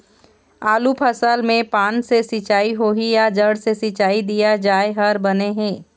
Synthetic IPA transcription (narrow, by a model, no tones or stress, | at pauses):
aːlupʰəsəlmẽpaːnsesɪt͡ʃaːiɦoːɦijad͡ʒəɽsesɪt͡ʃaːid̪ijad͡ʒaːeɦɐɾbɐneɦɛ̃ː